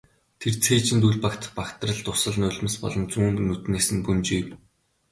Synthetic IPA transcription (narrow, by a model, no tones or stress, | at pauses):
t̪ʰert͡sʰeːt͡ɕɪ̆nt̪uɮʲpakt̪ə̥̆χpakt̪rə̆ɮt̪ʊsə̆ɮnʊːɮʲmə̆spɔ̰ɮɞ̆nt͡suːnnut̪neːsɘ̆npunt͡ɕiːw